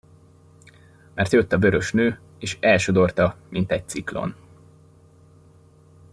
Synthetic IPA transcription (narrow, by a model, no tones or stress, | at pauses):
mɛrt̪jøt̪ːɒbø̞ɾø̞ʃnøː | eːʃɛlʃo̞d̪o̞rt̪ɒmʔint̪ɛc̚t̪siklo̞̰n